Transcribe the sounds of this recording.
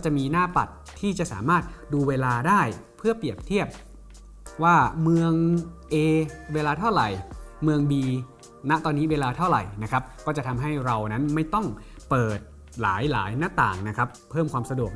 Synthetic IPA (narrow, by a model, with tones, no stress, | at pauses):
kɔ˥˩t͡ɕa˨˩ʔmiː˧naː˥˩pa̰˨˩t̪ʰːiː˥˩t͡ɕa˨˩ʔsa̰ː˩˦maː˥˩t̪̚duː˧weː˧laː˧daː˥˩jpʰɯ˥˩əpli˨˩əp̚t̪ʰi˥˩əp̚ | waː˥˩mɯ˧əŋʔeː˧weː˧laː˧t̪ʰa˥˩wɾa˨˩jmɯ˧əŋbiː˧ | na˦˥ʔt̪ɔː˧nːiː˦˥weː˧laː˧t̪ʰa˥˩wɾa̰˨˩jna˦˥kʰɾa˦˥p̚kɔː˥˩t͡ɕa˨˩t̪ʰa˧mɦa˥˩jɾa˧wna˦˥nma˥˩jt̪ɔ˥˩ŋ | pɤː˨˩t̪̚ | la̰ː˩˦jla̰ː˩˦jna˦˥˩t̪a̰ː˨˩ŋna˦˥kʰɾa˦˥pʰːɤː˥˩mkwaː˧msa˧du˨˩ək̚